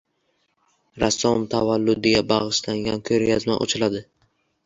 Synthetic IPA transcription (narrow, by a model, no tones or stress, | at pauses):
ɾasːɒmt̪ʰavalːʊd̪ɪɡʲabaʁɨʃlaŋɡʲankʲʰɵɾjazma̰ʔo̰t͡ʃʰɪlad̪ɪ